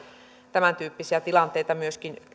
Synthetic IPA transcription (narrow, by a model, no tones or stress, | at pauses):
t̪æmænt̪yːpːisiæt̪ilɑnt̪eit̪ɑmyøskin